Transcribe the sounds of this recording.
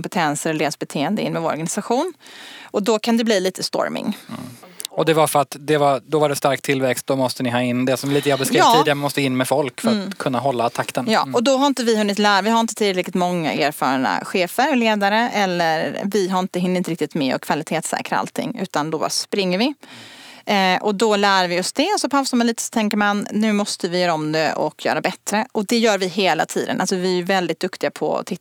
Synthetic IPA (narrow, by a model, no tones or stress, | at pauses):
mpɛt̪ʰɛnsəɾɔleːd̪sbɛt̪ʰeːənd̪əɪ̰nːmɛvoːɾɔ̰ɾɡanɪsaɧuːnʔɔd̪ɔkʰand̪ɛbliːliːt̪əst̪ɔ̰ɾmɪ̰ŋ | ɔd̪ɛvafœɾat̪d̪ɛvad̪ɔvaɖɛst̪aɾk̚t̪ʰɪlvɛkst̪̚d̪ɔmɔst̪ənɪɦɑːɪnːd̪ɛsɔmliːt̪əhabɛskɾiːɪd̪ɛmɔst̪əɪnːmɛfɔlkfœɾat̪kʰːɵnːaɦɔlːaːt̪ʰakt̪ʰənjɑ̰ːʔɔd̪ɔɦaɾɪnt̪əvɪɦɵnːɪt̪læːɾavɪɦhaɾɪnt̪ət̪ʰɪlɾɛk̪ɪt̪mɔŋːa̰ʔeːɾfɑ̰ːɾɳa̰ɧeːfəɾleːd̪aɾəʔɛlːəɾvɪɦaɾɪnt̪əɦɪnːɪnəɾɪkt̪ɪt̪mɛɔ̰kʰv̥alɪt̪ʰeːt̪sɛ̰ːkɾaa̰lt̪ʰɪ̰ŋːʉ̟ːt̪and̪ɔba̰spɾɪŋːəɾvɪ | ʔɔd̪ɔlæːɾvɪɔsd̪ɛɔsɔpʰaʊsamanliːt̪əsɔ̥t̪ʰɛŋkəɾmanːʉ̟ːmɔst̪əvɪjœːɾaɔmd̪ɛʔɔ̰kjœ̰ːɾabɛt̪ɾəʔɔd̪ɛjœːɾvɪɦeːla̰t̪ʰiːd̪əna̰lsɔvɪæjɵvɛld̪ɪt̪̚d̪ɵkt̪ɪɡapʰɔ̰t̪ʰɪ